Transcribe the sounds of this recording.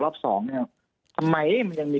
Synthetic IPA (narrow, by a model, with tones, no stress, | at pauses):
lɔː˥˩p̚sɔ̰ː˩˦ŋa˧˩ | t̪ʰa˧mːa˧jʔma˧nja˧ŋmiː˧